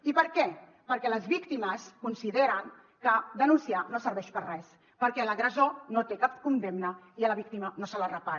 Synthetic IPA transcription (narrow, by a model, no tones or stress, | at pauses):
ipəɾkɛ | pəɾkɛləzβikt̪iməskunsiðeɾəŋ | kəd̪ənunsianosəɾβɛʃpərrɛs | pəɾkɛləɣɾəzonot̪ekapkund̪emnə | iələβik̚t̪imənosələrəpaɾ